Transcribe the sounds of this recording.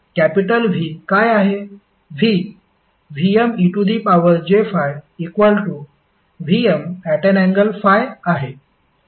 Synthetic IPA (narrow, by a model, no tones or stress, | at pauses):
kæpiʈəlʋ̤ʱikajaɦe | ʋi | ʋiemiʈud̪ipaʋəɾd͡ʑefajikʋəlʈu | ʋiəmæʈənɛ̃ŋɡəlfajaɦe